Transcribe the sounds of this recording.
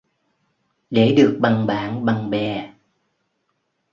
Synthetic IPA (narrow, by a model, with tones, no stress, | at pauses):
ɗe˧˩ɗɨ˨˩ək̚ɓa˨˧˩ŋɓaː˧˦nɓa˧˩ŋɓɛ˨˩